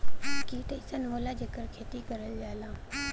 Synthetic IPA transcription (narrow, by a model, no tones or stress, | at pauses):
kiːt̪əsənʋoːlad͡ʒəkəɾkʰeːt̪ikəɾəld͡ʒaːlãː